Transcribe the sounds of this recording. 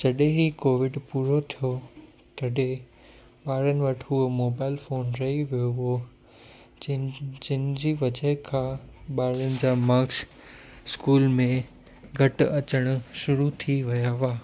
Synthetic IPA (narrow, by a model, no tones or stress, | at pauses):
d͡ʑɐɗẽɦikoːʋɪɖpuːɾot̪ʰijo | t̪ɐɗẽ | ɓaːɾənɪ̆ʋɐʈʰɦʊmoːbaːɪlfoːnɾɐɦiʋijoɦo | d͡ʑɪnɪ̆d͡ʑiːʋɐd͡ʑəɦɪkʰãːɓaːɾɪnɪ̆d͡ʑaːmaːks | skuːlmẽ | ɡʱɐʈɐt͡ɕəɽ̃ʊ̆ʃʊɾut̪ʰiʋɐjaʋaː